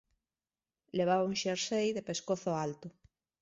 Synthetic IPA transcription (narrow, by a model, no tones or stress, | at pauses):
leβ̞aβauŋʃeɾsejðepeskoθoalt̪ʊ